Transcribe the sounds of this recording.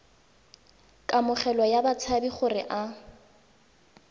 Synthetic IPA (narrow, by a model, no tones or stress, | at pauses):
kʼamʊχɛlɔjabat͡sʰabiχʊrɪ̰ʔa